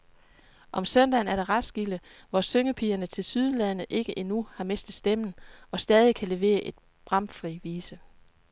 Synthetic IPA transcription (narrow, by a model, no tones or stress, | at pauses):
ʔɒ̽msœnd̥ɛːnæɐɾ̥ɑʁɑ̥̈sɡ̥iləʋɒsøŋəpʰiːɐnət͡sʰe̝lsyð̞ˠlæðˠnəʔe̝ɡ̥əʔe̝nuhɑ̈me̝sd̥ð̩ˠsd̥emn̩ɒ̽sd̥ɛːð̞ˠikʰæle̝ʋe̝̰ːɐʔe̝d̥̚ | b̥ʁɑ̈mfʁiʋiːsə